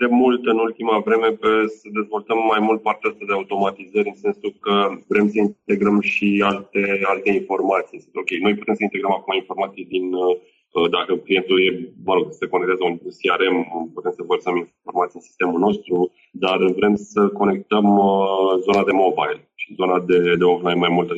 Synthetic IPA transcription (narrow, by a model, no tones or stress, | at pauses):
d̪e̞mult̪ɨnult̪imavɾe̞me̞pesəd̪e̞zvo̞lt̪əmːajmult̪̚part̪east̪ad̪eaut̪o̞mat̪izəɾʲɨnse̞nsukəvɾe̞msəint̪e̞ɡɾəmʃialt̪e̞alt̪e̞info̞rmat̪sijso̞kʲe̞jno̞jput̪e̞msəint̪eɡɾəmakumainfo̞ɾmat̪sijd̪in | əd̪akəklije̞nt̪uje̞vəɾoɡseko̞nekt̪azəunsiaɾe̞mput̪e̞msəvərsəmin | o̞rmat̪siɨnsi̥st̪e̞mulno̞st̪ɾu | d̪arvɾe̞msəko̞ne̞kt̪əmzo̞nad̪e̞mo̞bajl | ʃi̥zo̞nad̪e̞d̪eoflajnmajmult̪ə